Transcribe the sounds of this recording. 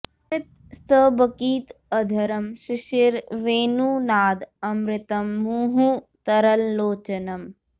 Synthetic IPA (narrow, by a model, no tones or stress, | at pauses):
mɪt̪̚ | st̪əbɐkiːt̪ɐd̪ʱɐɾɐmʃiʃiɾʋeːnuːnaːd̪ɐmɾɪt̪ɐmːuɦu | t̪ɐɾɐlːoːt͡ʃɐnɐm